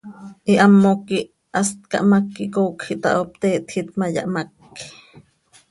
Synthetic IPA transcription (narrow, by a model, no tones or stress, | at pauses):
ʔiʔamːokiʔ | ʔast̪̚kɑ̰ʔmakːikoːkxiʔt̪a̰ʔop̚t̪eːʔt̪xit̪maja̰ʔmak | i